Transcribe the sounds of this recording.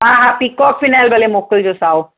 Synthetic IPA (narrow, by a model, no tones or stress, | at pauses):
ɦãɦãpikːɔpfinalbalemokəld͡ʒosaw